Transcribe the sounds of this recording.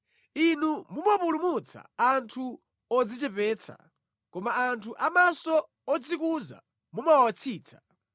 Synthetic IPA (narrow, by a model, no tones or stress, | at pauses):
inumumɔpulumut͡sʰa̰antʰu | ɔd͡zit͡ʃɛpɛːt͡sʰa̰ | kɔmaantʰuʔamasɔ | ɔd͡zikuza̰ | mumawat͡sʰiːt͡sʰḁ